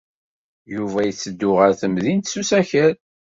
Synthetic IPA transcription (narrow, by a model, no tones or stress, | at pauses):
juvæjət͡sːəd̪ːʊʁəɾθəmðint̪susæçəɾ